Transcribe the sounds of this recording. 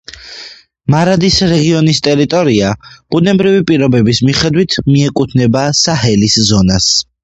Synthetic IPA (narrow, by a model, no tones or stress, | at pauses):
maɾad̪isɾɛɡiɔnist̪ʼɛɾit̪ʼɔɾiab̥unɛbɾivipʼiɾɔbɛbismiχɛd̪wit̪ʰmiɛkʼut̪ʰnɛbasaɦɛliszɔnas